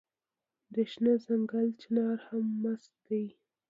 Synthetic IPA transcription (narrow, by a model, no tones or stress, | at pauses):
d̪əʃnəzaŋɡalt͡ʃɪnɑɾhamːas | d̪aj